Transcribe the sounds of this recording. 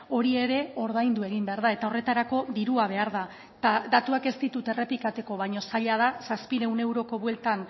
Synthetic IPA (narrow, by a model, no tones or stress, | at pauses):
o̞ɾie̞ɾe̞o̞ɾð̞ajnd̪ue̞ɣimbe̞aɾðae̞t̪ao̞re̞t̪aɾako̞ðiɾuaβ̞e̞aɾða | t̪adat̪uake̞st̪it̪ut̪e̞re̞plikat̪e̞ko̞β̞ajɲo̞saʎaðasaspiɾe̞wne̞wɾo̞ko̞βwe̞lt̪an